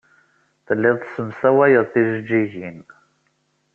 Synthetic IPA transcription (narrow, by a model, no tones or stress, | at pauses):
θəlːɪðˤsəmsæwæjəðˤθiʒəd͡ʒːiʝin